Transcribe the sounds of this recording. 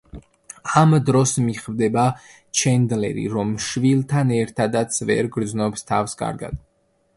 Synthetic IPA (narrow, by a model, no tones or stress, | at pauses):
amd̪ɾɔsmiχvd̪ɛba | t͡ʃʰɛnd̪lɛ̰ɾḭɾɔmʃvilˠt̪ʰanɛɾt̪ʰad̪at̪sʰvɛ̰ɾɡɾd̪znɔpst̪ʰafskʼa̰ɾɡa̰d̪̥̚